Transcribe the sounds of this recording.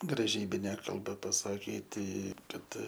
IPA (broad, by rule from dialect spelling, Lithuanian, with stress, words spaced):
ɡrɐˈʒʲiːbʲɪnʲɛ kɐlˠˈbɐ pɐsɐˈkʲiːtʲɪ ˈkɐt